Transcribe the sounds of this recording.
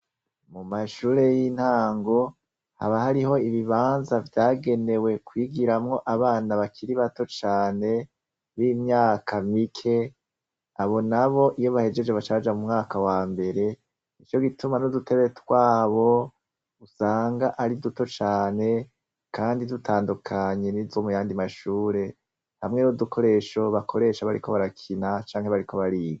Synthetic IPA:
mumaʃuːɾe̞jin̥haːŋɡo̞ | ha̰βahaɾiɦo̞iβiβaːnzavjaːɡe̞ne̞we̞kwiːɡiɾamŋo̞ʔaβaːnaβakʰiɾiβato̞t͡ʃaːne̞ | βiːmɲaːkʰamikʰe̞ | aβo̞naβo̞ʔijo̞βahe̞d͡ʒe̞d͡ʒweβat͡ʃaad͡ʒamumŋaːkawaːmbe̞ɾe̞ | it͡ʃo̞ɡitumanudutʰe̞βetɡwaːβo̞ | usaːŋɡaʔaɾiduto̞t͡ʃaːne̞ | kaːndidutʰaːndukʰaɲe̞nizomujaːndimaʃuːɾe̞ | hamŋe̞nudukʰo̞ɾe̞ːʃo̞βakʰo̞ɾe̞ʃaβaɾikʰo̞βaɾakʰinat͡ʃaːŋhe̞βaɾikʰo̞βaɾiːɡa

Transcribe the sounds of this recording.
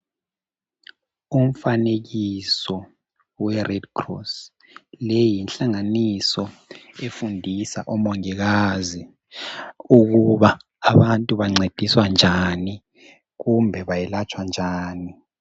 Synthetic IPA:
um̩faneɣisɔ | wɛrʔɛdkʰrɔ̰s | lɛjinɬaŋanisɔefundʱisa̰ʔɔmɔŋɛɣazi | uɣ̬uβaː | βantʼuβaŋ͡ǀʱed̥ʱiswand͡ʒʱani | kumbʱɛβajɛlat͡ʃʰʼwand͡ʒʱaːni

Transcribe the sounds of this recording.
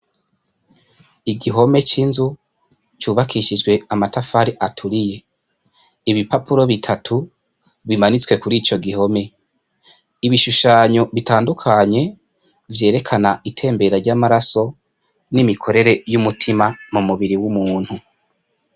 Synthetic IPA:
iɡiɦo̞me̞t͡ʃinzu | t͡ʃuːβakʰiʃid͡ʒɡwe̞amatafaːɾiʔatʰuɾije̞ | iβipapuɾo̞βitʰatʰu | βimanit͡swe̞kuɾiːt͡ʃo̞ɡiɦo̞me̞ | iβiʃuʃaːɲo̞βitaːndukʰaɲe̞ | vje̞ːɾe̞kʰanaitʰe̞ːmbe̞ɾaɾɟaːmaɾaso̞ | nimikʰo̞ɾe̞ɾe̞jumutʰimamumuβiɾiwumuːn̥hu

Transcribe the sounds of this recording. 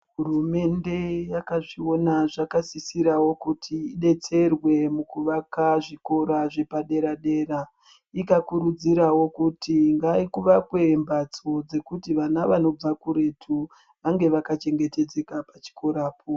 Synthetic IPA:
ɦurume̞nde̞jakaʐio̞naʐakasisiɾawo̞kutʰiːɗe̞t͡se̞rwe̞mukuʋakaʐiko̞ɾaʐe̞paɗe̞ɾaɗe̞ːra | ikakuɾud͡ziɾawo̞kutiŋɡaikuʋakwe̞mbat͡so̞d͡ze̞kutiʋanaʋano̞b͡vakuɾe̞tʰu | ʋaŋɡe̞ʋakat͡ʃe̞ŋɡe̞te̞d͡ze̞kapat͡ʃi̥ko̞ɾaːpʰo

